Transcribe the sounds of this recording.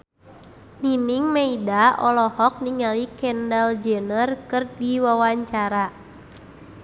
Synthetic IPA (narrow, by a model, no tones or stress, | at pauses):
niniŋmeidaɔlɔhɔk̚niŋalikɛndald͡ʒənərkɨrdiwawaɲt͡ʃaɾa